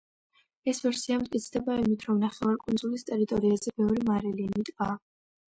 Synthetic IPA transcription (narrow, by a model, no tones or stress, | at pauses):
ɛsvɛɾsiamt̪ʼkʼit̪sʰd̪ɛbaimit̪ʰɾɔmnaχɛvaɾkʼund̪zulist̪ʼɛɾit̪ʼɔɾiazɛbɛvɾimaɾɛliːmit̪ʼa